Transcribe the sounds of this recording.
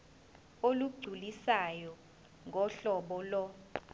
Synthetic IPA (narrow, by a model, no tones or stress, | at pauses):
oluɡ͡ǀʱulisajɔ | ŋʱɔɬɔɓɔlɔ